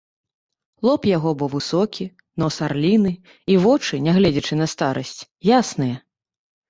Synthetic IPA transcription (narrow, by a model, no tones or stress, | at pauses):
lˠɔpjaɣɔbɔvɨsɔkʲi | nɔsarlʲinɨ | ivɔt͡ʂɨnʲaɣlʲɛd͡zʲɐt͡ʂɨnɐst̪aɾɐsʲt͡sʲ | jasnɨjɐ